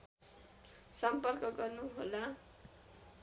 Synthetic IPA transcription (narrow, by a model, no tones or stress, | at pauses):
sʌmpʌrkʌɡʌrnuɦola